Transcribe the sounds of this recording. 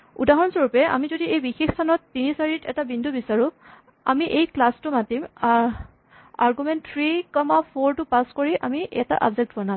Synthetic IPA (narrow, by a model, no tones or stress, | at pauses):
udaɦɔnsoɹupɛa̰mizodiejbixexstʰanɔtːinisaɹitɛtabindʱubisaɹʊ | a̰miʔejklastʊmatim | a̰ɹɡumɛntʰɹikɔmapʰoɹtʊpaskoɹiʔamiʔɛta̰ʔa̰bzɛk̚tbɔnã